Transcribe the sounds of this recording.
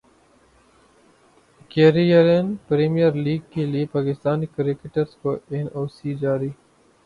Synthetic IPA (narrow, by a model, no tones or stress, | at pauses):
keːɾijəɾenpɾeːmijəɾliːɡ̚keliepaːkɪst̪aːnikɾɪkɪʈəɾskoeːnʔoːsiːd͡ʒaːɾiː